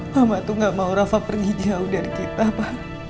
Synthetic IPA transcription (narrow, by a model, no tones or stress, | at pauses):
mamat̪uŋɡaʔmauɾafapərɡid͡ʒaudaɾikit̪apah